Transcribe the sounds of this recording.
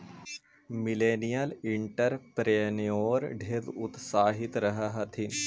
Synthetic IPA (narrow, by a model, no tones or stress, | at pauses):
mɪleːnijəlɪɳʈəɾpɾenijoːɾɖʱed̪ʊt̪saːɦɪt̪ɾɐɦəɦɐt̪ʰɪn